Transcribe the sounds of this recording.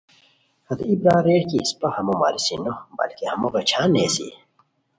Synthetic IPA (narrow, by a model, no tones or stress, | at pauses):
hɐd̪ibɾaːɾeːʈkispɐhɐmuma̰ːɾisinobɐ̰lkehɐmoɣet͡ɕʰaːnːeːsḭ